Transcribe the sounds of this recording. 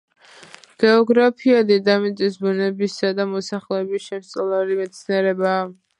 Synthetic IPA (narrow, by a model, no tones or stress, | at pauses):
ɡ̥ɛɔɡɾapʰiad̪id̪amit̪t̪ʼisbunɛbisad̪amɔsaχlɛːbisʃɛmssʼɔlˠaɾimɛt̪sʰniɛɾɛbaː